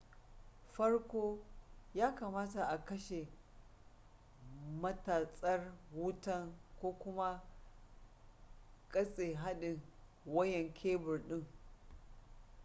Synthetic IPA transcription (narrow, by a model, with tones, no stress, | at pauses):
ɸɐ˦rkʷoː˦jaː˦kaː˨maː˦ta˨ʔa˨kɐ˦ʃe˨ | mɐ˦taː˨sʼɐ˦rwʊ˦tɐ˦ŋkʷoː˦kʷʊ˦ma˦ | kʼɐ˦sʼeː˨ɦa˦ɗɪ˨ŋ | wɐ˦jɛ˨ŋkʲʰeː˦bʊ˨rɗɪ˦ŋ